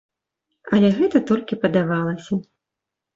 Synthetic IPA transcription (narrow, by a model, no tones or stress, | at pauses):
ɐlʲɛɣɛt̪ɐt̪ɔlʲkʲipɐd̪avalˠɐsʲɐ